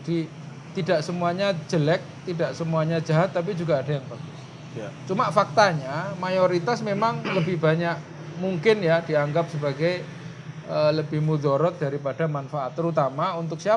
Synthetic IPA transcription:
d̥i | t̪idaʔsəmuaɲad͡ʒəlɛk̚t̪idaʔsəmuaɲad͡ʒaɦat̪ːap̬id͡ʒuɡaːdajaŋbaɡʊ | t͡ʃumafak̚t̪aɲamajoɾit̪asmemaŋləbɪhbaɲaʔ | muŋkɪnjadiaŋɡap̚səbaɡaj | ələbɪhmudoɾɔt̪̚daɾipad̥amanfaʔat̪ːəɾut̪amaunt̪ʊk̚sia

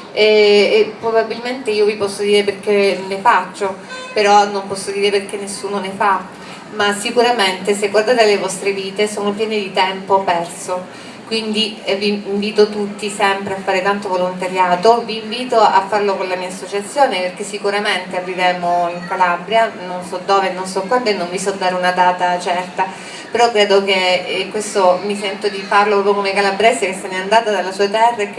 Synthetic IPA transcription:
ɛepːɾobabːilment̪eiːovipɔsːod̪iːɾeperkenefat͡ʃːopeɾɔnːompɔsːod̪iːɾeperk̟enːesːuːnonefa | masikuɾament̪eseɡward̪aːt̪ealevɔst̪ɾeviːt̪esoːnopjɛːned̪it̪ɛmpopɛrso | kwind̪iviːɱviːt̪ot̪ut̪ːisɛmpɾeafːaːɾet̪ant̪ovolont̪aɾjaːt̪oviːɱviːt̪oʔafːarlokonlamiːasːot͡ʃat̪sːjoːneperk̟esːikuɾament̪earːivɛːmoiŋkalabɾjanonsɔd̪ːoːvenːonsɔkwand̪oenːoɱvisɔd̪ːaːɾeunad̪aːt̪at͡ʃɛrt̪a | peɾɔkːɾɛːd̪okekːwest̪omisɛnt̪od̪ifarlopɾɔpjokomekalabɾɛsekesːeneand̪aːt̪ad̪alasuːet̪ɛrːak

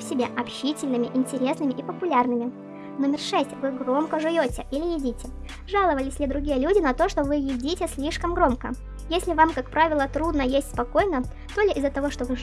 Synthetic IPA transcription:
fsʲɪbʲeʔɐpɕitʲɪlʲnɨmʲɪʔɪnʲtʲɪɾʲe̞snɨmʲɪʔipəpʊlʲarnɨmʲɪ | no̞mʲɪrʂɛsʲtʲvɨɡɾo̞mkəʐɨjʲotʲɪʔilʲɪjɪdʲitʲɪ | ʐalˠəvəlʲɪsʲlʲɪd̪ɾʊɡʲijəlʲudʲɪnɐt̪o̞ʂt̪o̞vɨjɪdʲitʲɪsʲlʲiʂkəmɡɾo̞mkə̰ | jesʲlʲɪvamkakpɾavʲɪlˠət̪ɾud̪nəjesʲtʲspɐko̞jnə | t̪olʲɪʔɪzːət̪ɐvo̞ʂt̪o̞vɨ

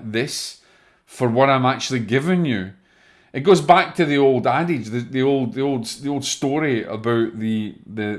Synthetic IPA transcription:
ðɪs | fə˞wʌɾãɪ̃mak̚t͡ʃʉl̩ˠiɡɪvɪ̃ŋjʉ | ɨt̚ɡ̥oːzbak̚tʰəðiolˠdadɪd͡ʒðɨðiolˠd̪̚ðiolˠdðiolˠd̥stɔɹiə̰baʊʔðəðɨ

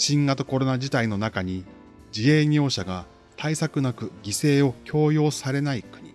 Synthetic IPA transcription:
ɕĩŋɡat̪oko̞ɾo̞nad͡ʑit̪aino̞nakaɲ̟i | d͡ʑie̞ːɲʲo̞ːɕaɡa | t̪ʰaisakɯ̟nakɯ̟ɡʲise̞ːo̞kʲʰo̞ːjo̞ːsaɾe̞naikɯ̟ɲ̟i

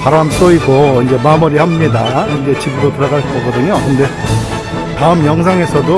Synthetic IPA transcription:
paɾams͈ʌiɡoind͡ʑe̞mamuɾihamɲidaind͡ʑe̞t͡ɕibuɾotuɾʌɡaɭskʌɡʌdɯɲokɯnde̞ | taɯmjʌŋsʰaŋe̞sʰʌdo

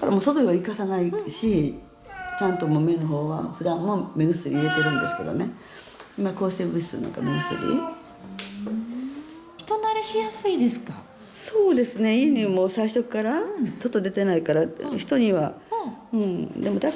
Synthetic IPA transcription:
kaɾa̰moːso̞t̪oiβaikasanaiɕi | t͡ɕãnt̪o̞moːme̞noɦo̞ːβa̰ɸɯ̟d̪ãmːo̞menɯsɨɾʲiie̞t̪e̞ɾɯ̟̃nd̪e̞sɨ̥ke̞d̪o̞̰ne | imako̞ːse̞ːbɯɕi̥sɨɾɯ̰no̰ka̰menɯ̟sɨ̰ɾʲḭ | çi̥t̪o̞naɾeɕijasɨid̪e̞sɨ̥ka | so̞ːd̪e̞sɨne̞ieɲʲimo̞ːsaiɕt̪okɯ̥kaɾat͡ɕo̞t̪ːod̪e̞t̪e̞naikaɾaçi̥t̪o̞ɲ̟iβaɯ̟̃ɴd̪e̞mo̞d̪a

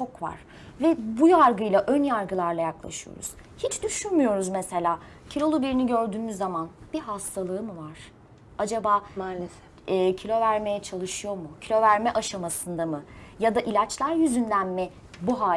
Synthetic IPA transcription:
t͡ʃʰo̞kva̰ɾ̥ | vɛbujaɾɡɯjlˠaʔønjaɾɡɯlˠaɾlˠajaklˠa̰ʃɯjo̰ɾṵz̥hit͡ʃd̪yʃynmyjo̞ɾuzmɛse̞lʲaː | cʰilʲo̞lˠubiɾiniɟø̞ɾd̪yːmyzːamanb̥iɦast̪ʰalˠɯɯmɯvaɾ̥ | ad͡ʒabaːmaːlʲesɛː | cʰilʲo̞væɾme̞jɛt͡ʃʰalˠɯʃɯjo̞mucʰilʲo̞væɾmɛʔaʃamasɯnd̪amɯjad̪aʔilʲat͡ʃlʲˠæɾjyzynd̪ænmɛ | buɦaː

